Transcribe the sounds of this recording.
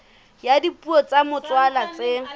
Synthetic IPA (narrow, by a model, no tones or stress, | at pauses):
jadipʼuɔt͡sʼamʊt͡sʼwalat͡sʼe